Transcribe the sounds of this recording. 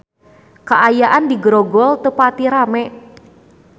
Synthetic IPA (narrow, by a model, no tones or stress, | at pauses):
kaʔajaʔandiɡɾɔɡɔlt̪əpat̪iɾamɛ